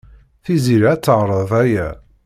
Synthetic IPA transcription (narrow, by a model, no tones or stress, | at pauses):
θiziɾat͡sːəʁɾˤəðˤæjæ̰